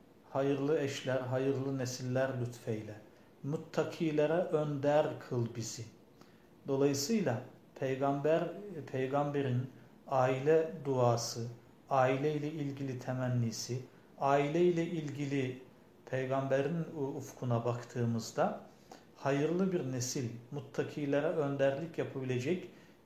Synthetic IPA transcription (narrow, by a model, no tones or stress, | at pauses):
hajɯɾlˠɯɛʃlʲæɾɦajɯɾlˠɯnesilʲːæɾlʲyt̪fɛjlʲɛ | mut̪ʰːakʰɯːlʲˠeɾɛʔønd̪æɾkʰɯlˠbizi | d̪̥o̞lˠajɯsɯjlˠa | pʰɛjɡambæɾpʰejɡambeɾin | aːilʲɛd̪uaːsɯ | aːilʲɛilʲɛilʲɟilʲit̪ʰɛmænːiːsi | aːilʲɛilʲɛʔilʲɟilʲi | pʰejɡambæɾinufkʰunabakt̪ʰɯːmɯzd̪a | hajɯɾlˠɯbiɾnesilʲmut̪ʰːakʰɯjlˠaɾaønd̪æɾlʲicjapʰabilʲed͡ʒɛc